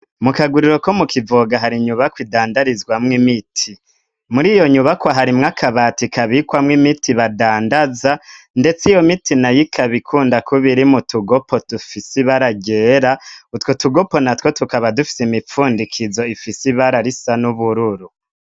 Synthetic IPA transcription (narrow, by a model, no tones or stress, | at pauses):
mukaɡuɾiɾo̞komukʰivoɡaɦaɾiɲuβakwidaːndaɾizɡwamŋimitʰi | muɾijo̞ɲuβakwaɦaɾimŋakʰaβatikʰaβikwamŋimitʰiβadaːndaza | nde̞t͡sijo̞mitʰinajikʰaβikʰuːndakuβiɾimutuɡopo̞tufisiβaɾaɡe̞ːɾautwotuɡopo̞natwo̞tukaβadufi̥simip͡fuːndikʰizo̞ifisiβaɾaɾisanuβuɾuɾu